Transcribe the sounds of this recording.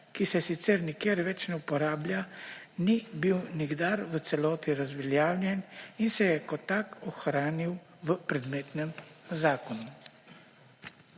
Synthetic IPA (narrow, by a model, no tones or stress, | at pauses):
kisɛsit̪sɛɾnikjeːɾʋɛt͡ʃnɛupɔɾaːbljanibiwniɡd̪aɾʋət̪sɛlɔːt̪iɾazʋɛljaːwljɛninsɛjɛkɔt̪akɔxɾaːniw | ʋəpɾɛd̪meːt̪nɛmzaːkɔnu